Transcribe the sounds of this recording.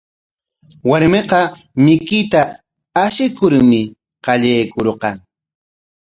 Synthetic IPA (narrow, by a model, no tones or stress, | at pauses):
waɾmeqɑmɪkɪt̪aː | ʃɪkʊɾmɪ | qɑʎajkoɾqɑŋ